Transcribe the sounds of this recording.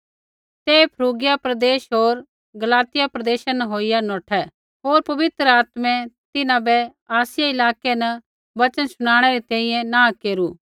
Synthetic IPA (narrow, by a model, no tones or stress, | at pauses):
t̪eːpʰɐɾuːɡɪjapɾɐd̪eːʃɦoːɾ | ɡɐlaːt̪ɪjapɾɐd̪eːʃanɐɦoːɪjanɔːʈʰɛ | ɦoːɾpɐʋɪt̪ɾəaːt̪mɛ̃t̪ɪnãbɛ | aːsɪjaɪlaːkɛnɐ | bɐt͡ʃənsʊɽ̃aːɽ̃ɛɾit̪ɛ̃ːĩjɛ̃nãːkeːɾuː